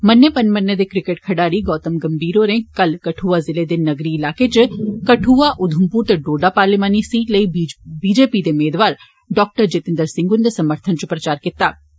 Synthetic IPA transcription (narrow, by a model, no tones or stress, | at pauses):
mɐnːepɐnmɐnːed̪ekɾɪkeʈ̚kʰɐɖaːɾiɡɔːt̪əmɡɐmbʱiːɾoɾẽkɐlkɐʈʰuːʋazɪled̪ennɐɡɾiɪlaːket͡ʃkɐʈʰuːʋaʔʊd̪ʱʊmpuːɾt̪eɖoːɖapaːɾlɪmaːnisiːʈlɐibiːd͡ʒeːpid̪eʊmeːd̪ʋaːɾ | ɖɔːk̚ʈəɾd͡ʒɪt̪ɪ̃nd̪əɾsɪ̃ŋɡʊnd̪esɐməɾt̪ʰənt͡ʃupɾɐt͡ʃaːɾkɪt̪aː